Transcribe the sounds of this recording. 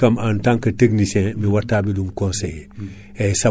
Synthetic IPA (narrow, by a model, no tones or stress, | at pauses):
ɐmantãŋkɐteknisɛ̃miwatːaːbidumkõnsej | esa